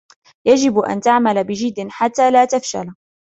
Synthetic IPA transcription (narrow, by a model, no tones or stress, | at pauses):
jad͡ʒɪbʔa̰nt̪aʕmalabɪd͡ʒɪd̪ːɪnħat̪ːaːlaːt̪afʃa̰l